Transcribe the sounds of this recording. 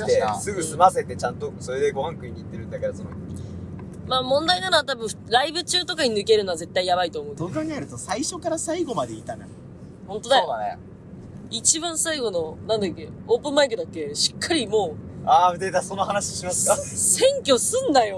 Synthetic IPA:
esɨɡɯ̟sɨmase̞t̪e̞t͡ɕãnt̪oso̞ɾe̞d̪e̞ɡo̞hãŋkɯ̟iɲʲiit̪ːe̞ɾɯ̟nd̪akeɾasono | maːmõ̞nd̪ainano̞at̪abɯ̟̃ɾaibɯ̟t͡ɕɨːt̪o̞kaɲ̟inɯ̟ke̞ɾɯ̟no̞aze̞t̪ːaijaβait̪o̞ːmoɯ̃okaɲiaɾɯ̟t̪o̞saiɕo̞kaɾasaiɡo̞mad̪e̞it̪ana̰ | hõ̞nt̪o̞d̪ajo | it͡ɕibãɰ̃saiɡo̞no̞nãnd̪akːeoːpɯ̟̃mbaikɯ̟d̪akːe̞ɕi̥kʰːaɾʲimoːad̪ed̪asonːoɦanaɕiɕimasɨ̥kasẽ̞ŋkʲo̞sɨ̃nd̪ajo̞

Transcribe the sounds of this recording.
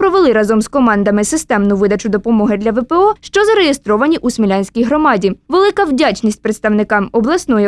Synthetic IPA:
pɾɔʋelˠɪɾɑzɔmskɔmɑnd̪ɐmɪsɪst̪ɛmnʊʋɪd̪ɐt͡ʃʊd̪ɔpɔmɔɦɪd̪lʲɐʋɛpɛɔʃt͡ʃɔzɐɾejest̪ɾɔʋɐnʲiʔusmʲilʲanʲsʲkʲijɦɾɔmɑdʲiʋelˠɪkɐwdʲat͡ʃʲnʲisʲtʲpɾet̪st̪ɐwnɪkɑmɔblˠɐsnɔji

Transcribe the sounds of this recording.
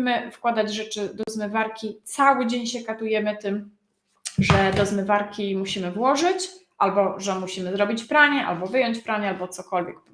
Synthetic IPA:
mɘfkwad̪ad͡ʑʐɛt͡ʂɘd̪ɔzmɘvaɾkʲit̪sawɘd͡ʑeɲɕɛkat̪ujɛmɘt̪ɘm | ʐɛd̪ɔzmɘvaɾkʲimuɕimɘvwɔʐɘt͡ɕʔalbɔʐɛmuɕimɘzɾɔbʲit͡ɕpɾaɲɛʔa̰lbɔvɘjɔɲt͡ɕpɾaɲɛalbɔt̪sɔkɔlvʲjɛk

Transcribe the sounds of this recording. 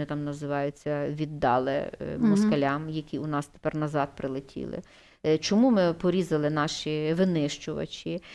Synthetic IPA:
ɪt̪ɑmnɐzɪʋɑjʊt͡sʲːɐʋʲid̪ːɑ̰lˠɪ̰mʊskɐlʲɑmjɐkʲiʊnɑst̪e̥pɛrnɐzɑd̪̚pɾɪlˠɪtʲʰḭlˠɪ̰ | t͡ʃɔmumɪpɔɾʲizɐlˠɪnɑʃiʋɪnɪʃt͡ʃʊʋɐ̰t͡ʃʲi

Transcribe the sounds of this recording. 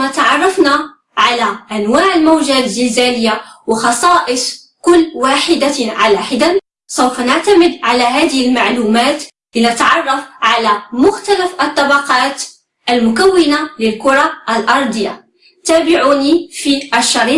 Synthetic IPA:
mæt̪ɑʕɑrˤːɑfna | ʕalæʔænwaːʕəlmawʒæzəlzæləjːawəxɑsˤɑːʔəsˤ | kʊlːwaħəd̪aʕalaħəd̪an | sˤəwfanaʕt̪æməd̪ʕalæɦæːd̪əhlmaʕlumæːt̪ | linət̪ʕɑrˤːɑfʕalæmʊxt̪ælæfʔət̪ˤːɑbɑqɑːt̪ | ʔəlmʊkæwːənaləlkʊɾˤɑʔəlʔɑɾˤd̪ˤəjːa̰ | t̪æːbɪʕunifiʔæʃːɑɾi

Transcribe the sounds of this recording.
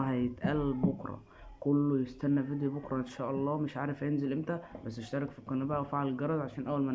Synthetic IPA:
ɦæjet̪ʔælːbokɾˤɑ̰ | kolːojest̪ænːæfed̪jæbokɾˤɑʔenʃæːʔɑlˤːɑːmeʃʕaːɾefhæjenzelʔemt̪æbæsːeʃt̪ɑɾˤɑkfiqːɑnːæbæʔæwefaʕalelɡɑɾˤɑzˤʕaʃæːnʔæwːælmæ

